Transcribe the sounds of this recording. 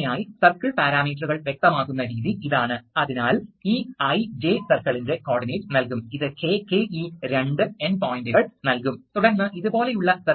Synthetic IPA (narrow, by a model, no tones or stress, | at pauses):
jaːjisɐrkɐɭpaːɾaːmiːʈruɣɐɭʋjek̚t̪ɐmaːkːunːɐɾiːðiiðaːɳɨɐðinaːliːɐjd͡ʑeːsɐrkɐɭinde̞koːɖineːʈnɐlk̬umiðɨkeːkeːiɾeɳɖɨenpoːjinduɣɐɭnɐlkumt̪uɽɐrnːɐʔiðubo̞ːle̞juɭːɐsɐ